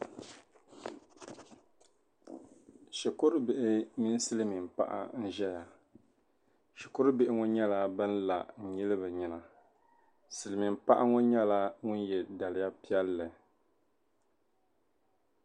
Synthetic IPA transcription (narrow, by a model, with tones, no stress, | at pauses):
ʃi˨kʊ˦ɾbɪ˨ʔɪ˦mi˦n˦sɨ˦lɨ˦mɪ˨m̩˨pa̰˦˨ʔa̰˨n̩˦ʒɛ˦ja˨ | ʃɛ˨kʊ˦ɾbɪ˦ʔɪ˦ŋʊ˦ɲɛ˦la˦bɨ˦n˦la̰˨n̩˨ɲi˦lɨ˦bɨ˨ɲi˨na˨ | sɨ˨lɨ˨mi˨m̩˨pa˦ʔa˦ŋo˦ɲɛ˦la˦ŋʊ˦njɛ˨da˨lɪ˦ja˦pi˦ɛ˦lːɨ˨